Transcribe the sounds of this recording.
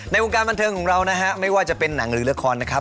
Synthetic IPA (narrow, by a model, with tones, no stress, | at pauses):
na˧jʔo˧ŋkaː˧nba˧nt̪ʰɤː˧ŋkʰɔː˩˦ŋɾa˧wna˦˥ɦʰa˦˥ma˥˩jwaː˥˩t͡ɕa˨˩pe˧nːa˩˦ŋɾɯː˩˦lkʰːɔː˧nːa˦˥kʰɾa˦˥p̚